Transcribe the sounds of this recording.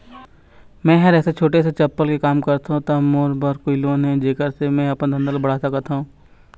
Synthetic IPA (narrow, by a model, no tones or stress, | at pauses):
mɛ̃ːɦɐɾɛːset͡ʃʰoːʈeset͡ʃɐpːəlkekaːmkɐɾt̪aɦũt̪ɐmoːɾbəɾkoiloːnɦɛ̃d͡ʒeːkəɾsemɛ̃ːɐpnd̪ʱə̃nd̪əlbɐɽ̤aːsakət̪ʰaɦũː